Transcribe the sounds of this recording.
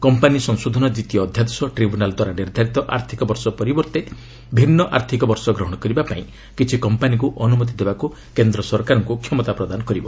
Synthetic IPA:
kɔmpanisɔŋsod̪ʱɔnɔd͡ʒit̪ijɔːd̪ʱjad̪ɔsɔʈɾibʱunald̪waɾaniɾd̪ʱaɾit̪ɔʔaɾt̪ʰikɔbɔɾsɔpɔɾibɔɾt̪e | bʱinːɔʔa̰ɾt̪ʰikɔbɔɾsɔɡɾɔɦɔɽ̃ɔkɔɾibapaĩ | kit͡ʃʰikɔmpanikuʔɔnumɔt̪̬id̪ebaku | kend̪ɾɔsɔɾkaɾɔŋkukʰjɔmɔt̪apɾɔd̪anɔkɔɾibɔ

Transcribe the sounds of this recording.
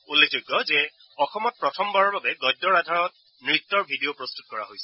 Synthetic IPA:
ulːekʰzoɡːɔzɛ | ɔxɔmɔt̚pɹɔtʰɔmbaɹɔɹbabɛɡɔjdːɔɹadʱaɹɔt̚ | nɹit̪ːɔɹbʱidiopɹɔstu̥t̚kɔɹa̰ɦojsɛ

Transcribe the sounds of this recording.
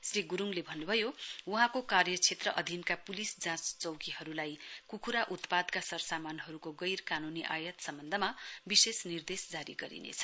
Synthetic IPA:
sriɡuɾuŋlebʱʌnːubʱʌjowuɦãkokarjʌt͡sʰet̪rʌʔʌd̪ʱinkapulisd͡zãt͡st͡sʌwkiɦʌɾulajkukʰuɾaʔut̪pad̪kasʌrsamanɦʌɾukoɡʌjrkanuniʔajʌt̪sʌmbʌnd̪ʱʌmabisesnird̪esd͡zaɾḭɡʌɾḭnḛt͡sʰʌ̥

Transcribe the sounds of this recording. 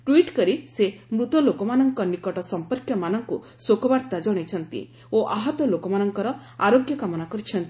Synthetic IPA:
ʈwiʈkɔɾisemɾut̪ɔlokɔmanɔŋkɔnikɔʈɔsɔmpɔɾkjɔmanɔŋku | sokɔbaɾt̪ad͡ʒɔɽ̃et͡ʃʰɔnt̪ḭ | oʔaɦɔt̪ɔlokɔmanɔŋkɔɾɔ | aɾoɡjɔkamɔnakɔɾit͡ʃʰɔnt̪i

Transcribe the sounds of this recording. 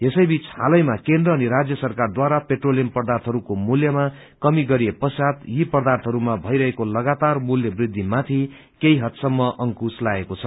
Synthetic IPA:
esʌjbit͡shalʌjmakend̪rʌːniɾad͡zjʌsʌrkard̪waɾapeʈroljʌmpʌrd̪art̪ʰɦʌɾukomuljʌma | kʌmiɡʌɾijepʌsat̪jipʌrd̪art̪ʰɦʌɾumabʱʌjɾʌɦekolʌɡat̪armuljʌbrid̪ʱːimat̪ʰi | keiɦʌt̪sʌmːʌʔʌŋkuslaekot͡sʰʌ

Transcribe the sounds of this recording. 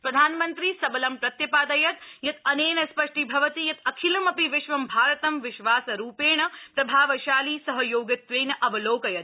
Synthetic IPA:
pɾɐd̪ʱaːnmɐnt̪ɾisɐbɐlɐmpɾɐt̪jɐpaːd̪ɐjɐt̪jɐt̪ɐneːnɐspɐʂʈʰibʱɐʋɐt̪ijɐt̪ɐkʰilɐmɐpiʋɪʃʋɐmbʱaːɾɐt̪ɐmʋɪʃʋaːsɐɾuːpeːɳɐpɾɐbʱaːʋɐʃaːliːsɐɦɐjoːɡɐt̪ʋeːnɐʔɐbɐloːkɐjɐt̪

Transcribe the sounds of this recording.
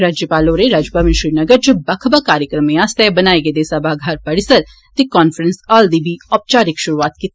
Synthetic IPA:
ɾaːd͡ʒjəpaːloːɾeɾaːd͡ʒpamɪʃɾiːnɐɡəɾd͡ʒubɐkʰbakaːɾjəkɾəmẽaːst̪ɛbɐnaːeɡed̪eːsɐbaːɡʱaːɾpɐɽɪsəɾ | t̪ekɔːnfəɾənsaːld̪iːbʱiːɔːp̚t͡ʃaːɾɪkʃʊɾuaːt̪kit̪

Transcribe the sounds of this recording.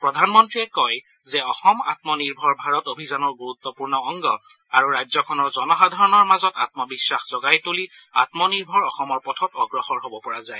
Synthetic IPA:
pɹɔdʱanmɔntɹiɛkɔj | zɛɔxɔma̰tmɔniɹbʱɔɹbʱaɹɔtobʱizanɔɹɡuɹut̪ːɔpuɹnɔːŋɡɔ | aɹuɹajzɔkʰɔnɔɹzɔnɔxadʱaɹɔnɔɹmazɔta̰t̚mɔbisːaxz̥ɔɡajtuliatmɔniɹbʱɔɹɔxɔmɔɹpɔtʰɔtɔɡɹɔxɔɹɦobɔpɔɹazaj

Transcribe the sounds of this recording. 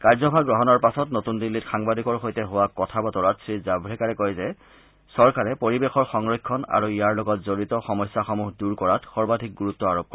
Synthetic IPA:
kaɹzɔbʱaɡɹɔɦɔnɔɹpasɔtnotundilːitxaŋbadʱikɔɹxojtɛɦʊwakɔtʰabɔtɔɹatsɹizabɹɛkaɹɛkojzɛ | sɔɹkaɹɛpoɹibexɔɹxɔŋɹɔjkʰːɔna̰ɹuijaɹloɡɔtzoɹitɔxɔmɔjsːaxɔmuɦduɹkɔɹatxɔɹbadʱik̚ɡuɹutːɔaɹop̚kɔ

